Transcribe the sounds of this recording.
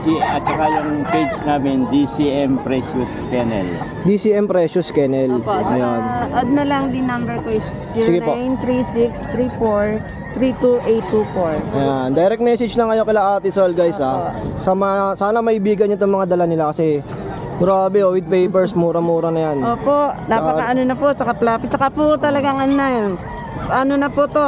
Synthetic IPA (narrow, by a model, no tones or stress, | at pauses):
siɐt̪̚t͡ʃɐkajʊŋpejd͡ʒnaːmɛnd̪isiʔɛmpɾɛsuskɛnɛ̰l | d̪isiʔɛmpɾɛʃʊskɛnɛlɐjonɐd̪̚nɐlɐŋlinɐmbɛɹkoɪs | sɪɡɪpojnt̪ɾisikst̪ɾifoɹ | t̪ɾit̪uʔejt̪ːufoɹjand̪ɐjɾɛk̚t̪mɛsɪd͡ʒnɐŋɐjoŋkɪlaʔaːt̪ɪsɛlɡajsasɐmɐŋasaːnɐmɐʔɪbiːɡɐnːat̪oŋmɐŋad̪ɐlanɪlakɐsɛ | ɡɾaːbɛʔowɪd̪̚pɛjpɛɹsmuːɾɐmuːɾɐnɐjanoːpoʔnaɐkɐʔɐnonɐpoʔt͡ʃɐkaplaːpɪt͡ʃɐkapʊt̪ɐlɐɡaŋʔɐnna | ʔɐnonɐpot̪o